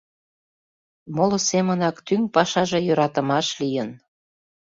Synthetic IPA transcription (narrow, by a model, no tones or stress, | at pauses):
molosemənɑkt̪yŋpɑʃɑʒejøɾɑt̪ə̆mɑʃlijən